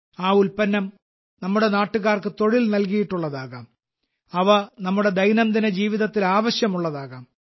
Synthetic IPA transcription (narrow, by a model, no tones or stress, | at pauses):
aːulpɐnːɐm | nɐmːuɽe̞naːʈːuɣaːrkɨt̪o̞ɻilnɐlk̬ijiʈːuɭːɐðaːɣɐːm | ɐʋɐnɐmːuɽe̞d̪ʱɐjnɐmt̪inːed͡ʑiːʋiðɐt̪ːilaːʋɐɕjɐmuɭːɐðaːɣaːm